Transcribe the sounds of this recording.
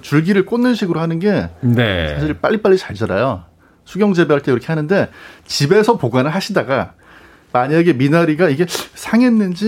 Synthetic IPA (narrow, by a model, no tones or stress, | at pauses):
t͡ɕuɭɡiɾɯɭk͈onːɯnɕʰiɡɯɾohanɯnɡe̞nesʰaɕ̬ʰiɭp͈a̰ʎːip͈aʎːit͡ɕaɭd͡ʑʌɾajo | sʰuɡjʌŋd͡ʑe̞bjʌɭt͈ekiɾʌkʰe̞hanɯnde̞t͡ɕibe̞sʰʌpoɡanɯɭɦaɕʰidaɡa | maɲaɡe̞minaɾiɡaiɡe̞sʰaŋe̞nːɯnd͡ʑi